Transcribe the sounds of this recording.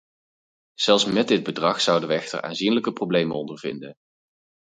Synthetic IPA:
z̥ɛlˠsmɛdɪd̚bədrɑχsʌwdəʋəɛxtə̰ɹʔa̰ːnzinləkəprowblejmənɔndəɹvɪ̰ndən

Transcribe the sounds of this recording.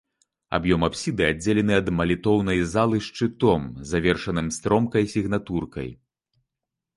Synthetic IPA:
a̰bjɔmapsʲid̪ɨad͡zʲelʲɛnɨɐd̪mɐlʲit̪ɔwnɐjzalˠɨʂt͡ʂɨt̪ɔmzavʲɛrʂɐnɨmst̪ɾɔmkɐjsʲiɣn̪at̪urkɐ̰j

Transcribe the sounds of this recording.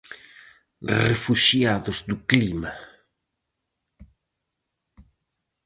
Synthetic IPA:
refuʃjaðʊzd̪uklima

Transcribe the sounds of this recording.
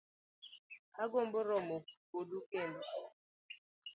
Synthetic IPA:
aɡʊm̩bʊɾɔmokodukene

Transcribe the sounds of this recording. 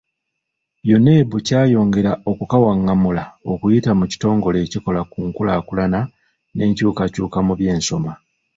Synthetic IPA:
jo̞ne̞ːβucaːjo̞ːŋɡe̞ɾao̞kukawaŋːamulao̞kujitamuci̥to̞ːŋɡo̞le̞ːciko̞lakuːŋkulaːkulana | ne̞ːɲcuːkacuːkamuβje̞ːnso̞ma

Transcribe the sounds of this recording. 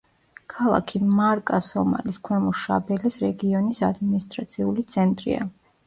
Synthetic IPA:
kʰalˠa̰kʰimaɾkʼasɔma̰liskʰwɛmɔʃabɛlɛsɾɛɡiɔnisad̪minist̪ʼɾat̪sʰiulit̪sʰɛnt̪ʼɾḭa̰

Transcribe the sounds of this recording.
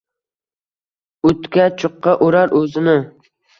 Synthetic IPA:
ɵt̪kʲat͡ʃʰʊqːɑʔoɾaɾɵzɪnɪ

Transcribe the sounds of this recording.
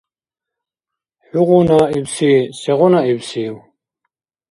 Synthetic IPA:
ħuʁɔnaibsiːsɛʁɔnaibsiːw

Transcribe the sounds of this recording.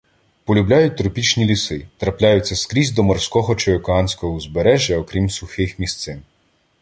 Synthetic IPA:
pɔlʲʊblʲajʊtʲt̪ɾʊpʲit͡ʃnʲilʲisɪt̪ɾɐplʲajʊt͡st͡sʲːɐskɾʲizʲd̪ɔmɔrskɔɦɔt͡ʃɔjɔkɔɑnsʲkɔɦɔuzbeɾɛʒʲjɐɔkɾʲimsʊxɪxmʲist̪sɪn

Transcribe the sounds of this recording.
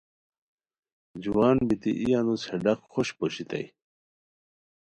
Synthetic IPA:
d͡ʑuwaːnbit̪ḭʔijanusheɖɐqxoɕpoɕit̪ɐ̰j

